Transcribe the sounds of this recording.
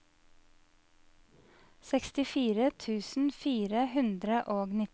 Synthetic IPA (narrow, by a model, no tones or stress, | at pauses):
sɛkst̪ɪfiːɾət̪ʰʉːsn̩fiːɾəhʉnd̪ɾəʔoːɡnɪ